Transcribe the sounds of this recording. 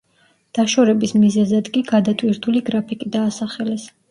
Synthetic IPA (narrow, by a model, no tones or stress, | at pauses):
d̪̥aʃɔɾɛbismizɛzad̪kʼiɡad̪at̪ʼwiɾt̪ʰuliɡɾapʰikʼid̪aːsaχɛlɛs